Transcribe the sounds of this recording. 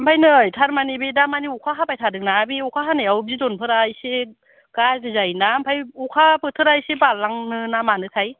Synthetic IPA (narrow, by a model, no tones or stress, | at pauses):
mpʰajnɯjtʰaɾmanibedamaniukʰaɦapajtʰadɯknabiukʰaɦanɯjawbzidonpʰɯɾajse | kazɯzajnampʰajukʰapɯtʰɯɾajsebalaŋnɯnamanɯtʰaj